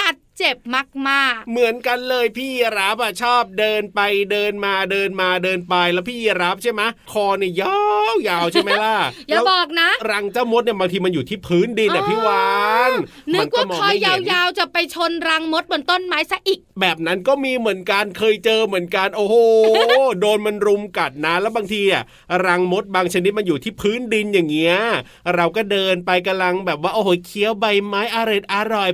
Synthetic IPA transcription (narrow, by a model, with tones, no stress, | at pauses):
ta˨˩t̪̚t͡ɕe˨˩p̚ma˦˥˩k̚maː˥˩k̚mɯ˨˩˦ənka˧nlɤː˧jpʰiː˥˩ji˧ɾa˦˥p̚ʔa˨˩t͡ɕʰɔː˥˩p̚dɤː˧npa˧jdɤː˧nmaː˧dɤː˧nmaː˧dɤː˧npa˧jlɛ˦˥wpʰiː˥˩ji˧ɾa˦˥p̚t͡ɕʰa˥˩jma˦˥jkʰɔː˧ni˥˩jaː˧wjaː˧wt͡ɕʰa˥˩jma˦˥jla˧˩jaːɛː˧˦˥bɔː˨˩k̚na˦˥ɾa˧ŋt͡ɕaː˥˩wmo˦˥t̪̚ni˥˩ɐbaː˧ŋt̪ʰiː˧ma˧njuː˨˩t̪ʰiː˥˩pʰɯː˦˥ndi˧nʔa˨pʰiː˦˥waː˧˦˥n | nmɯ˦a˥˧nkwaː˥˩mɔkːʰɔŋː˧jjaː˧wjaː˧wt͡ɕa˨˩pa˧jt͡ɕʰo˧nɾa˧ŋmo˦˥t̪̚mɯ˩ə˦nt̪o˥˩nmaː˦˥jsa˦˥ʔi˨˩k̚bɛː˨˩p̚na˦˥nkɔː˥˩miː˧mɯ˨˩˦ənka˧nkʰɤː˧jt͡ɕɤː˧mɯ˩˦ənka˧nʔoː˧hoː˨˧˩doː˧nma˧nɾu˧mka˨˩t̪̚na˦˥lɛː˦˥wbaː˧ŋt̪ʰiː˧n˧˩ | ɾa˧ŋmo˦˥t̪̚baː˧ŋt͡ɕʰa˧ni˦˥t̪̚ma˧njuː˨˩t̪ʰiː˥˩pʰɯː˦˥ndi˧njaː˨˩ŋːi˦˥ɐ | ɾa˧wkɔː˥˩dɤː˧npa˧jka˧la˧ŋbɛː˨˩p̚waː˥˩ʔoː˧hoː˨˦jkʰi˧˦əwba˧jmaː˦˥jʔa˧ɾe˨˩t̪̚ʔa˧ɾɔ˨˩j